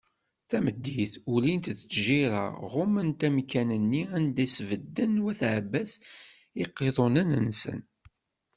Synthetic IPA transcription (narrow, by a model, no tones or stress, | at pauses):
θæməd̪ːiθulint̪ðt͡sːʒiɾɑ̰ʁʊmənt̪æmkænənːiænd̪æsvəd̪ːənwæθʕbːæs | iqːeðˤonænənsə̰n